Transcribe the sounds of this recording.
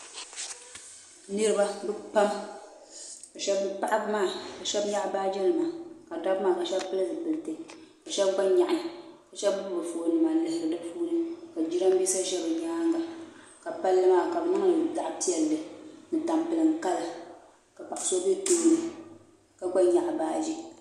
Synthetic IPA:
nɨ˦ɾɨ˦ba˦bɨ˦pa˦m | ka˨ʃɛ˦bpa˦ʔa˦bmaː˦˨ka˨ʃɛ˦bɲa˦ʔbaː˦d͡ʒɛ˦nɨ˨maː˨ka˨da˦bmaː˦˨ka˨ʃɛ˦bpɨ˦la˦zɨ˨pɨ˨lɨ˨tɨ˨ka˨ʃɛ˦b̚ɡa˦ɲa˨ʔɪ˦ka˨ʃɛ˦bbʊ˦bbɨ˨fu˨nɨ˨ma˨lɨ˦hɪ˦ɾɨ˦da˦fuː˦nɨ˦ka˨d͡ʒi˦ɾa˦m˦bi˦sa˦ʃɛ˦bɨ˨ɲa˦ŋɡa˨ | ka˨pa˦lːɨ˦maː˦˨ka˨bɨ˨nɨ˦ŋa˦˨da˨ʔpi˦ɛ˨lːɨ˨nɨ˨ta˨mpɨ˨lɨ˨ŋ˨ka˦la˦ | ka˨pa˨ʔso˦be˦to˦nɨ˦ | ka˨ɡ͡ba˦ɲa˨ʔbaː˦d͡ʒi˦

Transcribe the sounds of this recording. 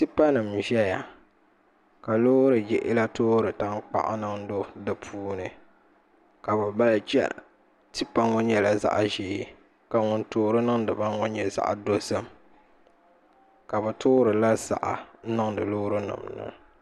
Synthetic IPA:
tɨ˦pa˦nɨ˨mʒɛ˦ja˨ | ka˨loː˦ɾɨ˨d͡ʒɛ˨ʔɪ˦la˦toː˦ɾɨ˨ta˦ŋk͡pa̰˦˨ʔa̰˦nɨ˦ŋdo˦dɨ˨pʰuː˦nɨ˨ | ka˨ba˨ba˦lt͡ʃɛ̰˦l̰ | tɨ˦pa˦ŋɔ˦ɲɛ˨la˨za̰˦ʔʒiː˨˦˨ | ka˨ŋʊ˨ntoː˦ɾɨ˦nɨ˦ŋdɨ˨ba˦ɔ˦ɲɛ˨za̰˦ʔa̰˨do˦sɨ˦m | ka˨bɨ˨toː˦ɾɨ˨la˦za̰˨ʔa˨˦nɨ˦ŋdɨ˨lo˦ɾɨ˦nɨ̰˨mnɨ̰˦

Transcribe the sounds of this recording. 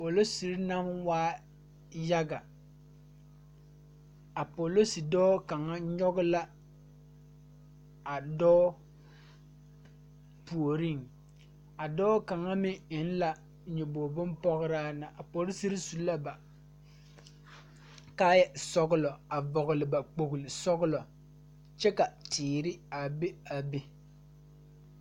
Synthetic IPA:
a˨po˨lo˦si˨ɾi˦na˦m˦waː˦ | ja˦ɡa˨ | a˨po˨lo˦si˨dɔː˦ka˨ŋa˦ɲɔ˦ɡʊ˦la˦ | a˨dɔː˦ | pu˨o˨ɾi˦ŋ | a˨dɔː˦ka˨ŋa˦mɪ˦ɪ˦n˦la˨ | ɲɛ˨bo˨bʊ˦mpɔ˦ɣʊ˦ɾa˦na˨ʔa˨pɔ˨˦ɾɪ˦si˦ɾi˦su˨la˦ba˨ | ka˦jɛ˦sɔ˦ɣʊ˦lɔ˨a˨vɔ˨ɣʊ˨lɪ˨ba˨k͡po˨ɡlɪ˨sɔ˦ɣʊ˦lɔ˨ | t͡ʃɛ˦ka˨tɪː˨ɾɪ˦a˨be˦a˨be˦

